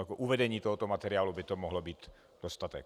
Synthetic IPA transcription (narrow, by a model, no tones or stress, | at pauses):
akɔʔuʋɛdɛɲiːt̪ɔɦɔt̪ɔmat̪ɛɾɪaːlubit̪ɔmɔɦlɔbiːt̪ | d̪̥ɔst̪at̪ɛ̰k